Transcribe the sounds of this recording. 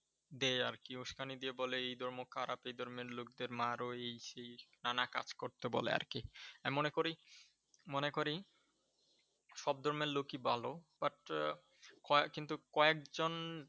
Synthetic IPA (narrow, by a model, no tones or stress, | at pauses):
d̪eaɾkiuʃkanid̪ieboleejd̪ʱɔɾmokʰaɾapejd̪ʱɔɾmeɾlok̚d̪eɾmaɾoejʃejnanaka̰d͡ʑkoɾt̪obo̰lḛa̰ɾkiammonekoɾi | monekoɾi | ʃɔb̚d̪ʱɔɾmeɾlokibʱalob̥aʈ | kɔkint̪ukɔek̚d͡ʑon